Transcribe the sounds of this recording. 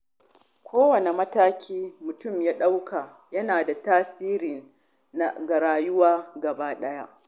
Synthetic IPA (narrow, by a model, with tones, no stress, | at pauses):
kʷoː˦wɐ˨ne˨mɐ˦taː˦kʲʰiː˦mʊ˨tʊ˦˨mjaː˦ɗa˦wkʰa˨ | jɐ˦naː˨da˨taː˦siː˦ɾɪ˨n | na˦ɡɐ˨ɾaː˨jʊ˦waː˦ɡɐ˨baː˦ɗɐ˦ja˦ʔ